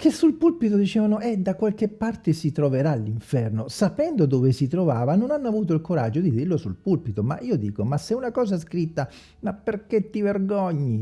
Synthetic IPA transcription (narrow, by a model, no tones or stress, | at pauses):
kʰesːulpulpit̪od̪it͡ʃɛːvanoɛd̪akwalk̟epːart̪esit̪ɾoveɾalːiɱfɛrnosapɛnd̪od̪ovesit̪ɾovaːvanonanːoavuːt̪̬oilkoɾad͡ʒːod̪id̪irlosulpulpit̪oma̰ʔiːod̪ḭːkomasːeunakɔːzaskɾit̪ːa | mapːerk̟et̪ːiverɡɔɲːi